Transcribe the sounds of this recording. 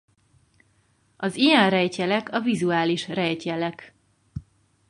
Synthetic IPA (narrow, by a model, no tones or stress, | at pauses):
ɒzijɛnrɛjcɛlɛkʰɒvizuaːliʃrɛjcɛlɛk